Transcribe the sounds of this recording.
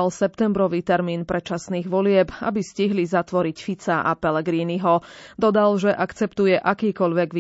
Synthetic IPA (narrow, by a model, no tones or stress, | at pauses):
alsɛpt̪ɛmbɾɔʋiːt̪ɛɾmiːnpɾɛt͡ʃasniːɣʋɔlɪɛba̰bisciɦlizat̪ʋɔɾicfit͡saʔapɛlɛɡɾiːniɦɔd̪ɔd̪alʒɛʔakt͡sɛpt̪ujɛʔakiːkɔʎʋɛɡʋi